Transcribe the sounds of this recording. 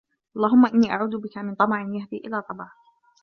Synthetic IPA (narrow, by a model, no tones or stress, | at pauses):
ʔɑlˤːɑːɦʊmːaʔɪnːiːʔaʕuːd̪ʊbɪkamɪnt̪ˤɑmɑʕɪnjaɦd̪iːʔɪlaːt̪ˤɑbɑʕ